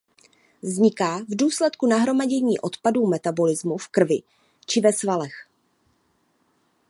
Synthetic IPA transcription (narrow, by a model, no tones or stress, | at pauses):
zɲɪkaːvduːslɛt̪kunaɦɾo̞maɟɛɲiːʔo̞t̪paduːmɛt̪abo̞lɪzmufkr̩vɪ | t͡ʃɪvɛsvalɛx